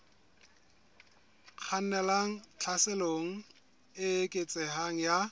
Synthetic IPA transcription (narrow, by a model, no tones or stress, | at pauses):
q͡χʰan̩nɛlaŋ̩t͡ɬʰasɪloŋ̩ | ɪekʼet͡sʼɛɦaŋ̩ja